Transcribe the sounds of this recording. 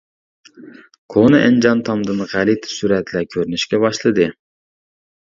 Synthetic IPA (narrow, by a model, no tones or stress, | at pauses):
kʰonɨʔɛnd͡ʒɑnt̪ʰɑmd̪ɨnʁælit̪ʰɪ̥syɾɛt̪ʰlækʲʰøɾynyʃkʲɛbɑʃlˠɨd̪ɨ